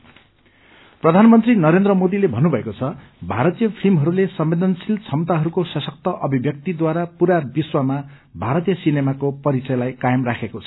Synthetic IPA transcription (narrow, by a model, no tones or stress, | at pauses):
prʌd̪ʱanmʌnt̪rinʌɾend̪rʌmod̪ilebʱʌnːubʱʌekot͡sʰʌ | bʱaɾʌt̪ijʌpʰilmɦʌɾulesʌmbed̪ʱʌnsilt͡sʰʌmt̪aɦʌɾukosʌsʌk̚t̪ʌʔʌbʱibjʌk̚t̪id̪waɾapuɾabiswama | bʱaɾʌt̪ijʌsinemakopʌɾit͡sʌjlajkajemrakʰekot͡sʰʌ̥